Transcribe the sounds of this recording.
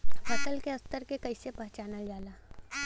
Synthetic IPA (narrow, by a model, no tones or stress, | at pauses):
pɐt̪əlkeɐst̪əɾkekɐisepɐ̃ɦt͡ʃaːnad͡ʒaːlaː